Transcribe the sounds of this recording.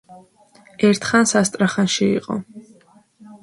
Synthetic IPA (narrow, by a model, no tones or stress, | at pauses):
ɛɾt̪ʰχansast̪ʼɾaχanʃiḭqʼɔ̰